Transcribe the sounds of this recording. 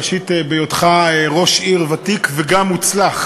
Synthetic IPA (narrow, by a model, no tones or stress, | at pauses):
ʃit̪ebejotχaeʁo̞ʃiʁvatikveɡamːut͡slaχ